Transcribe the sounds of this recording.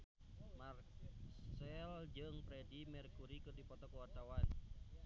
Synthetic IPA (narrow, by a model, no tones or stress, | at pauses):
mar | sɛld͡ʒɨŋpɾɛdimɛrkuɾikɨrdipɔt̪ɔkəwart̪awan